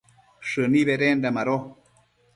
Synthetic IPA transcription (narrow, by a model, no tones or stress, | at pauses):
ʂɨniβeɾend̪amaɾo